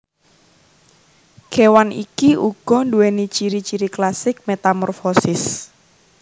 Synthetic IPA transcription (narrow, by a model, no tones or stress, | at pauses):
ɡ̥ewanḭkiʔuɡ̥ɔ̤nduenit͡ʃiɾit͡ʃiɾiklasɪk̚met̪amɔrfɔsɪs